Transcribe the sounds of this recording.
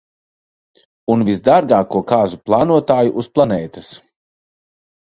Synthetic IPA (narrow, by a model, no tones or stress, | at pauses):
unvizd̪aɾɡaːkuɔkaːzuplˠaːnuɔt̪aːjuʔusplˠanɛːt̪ɨs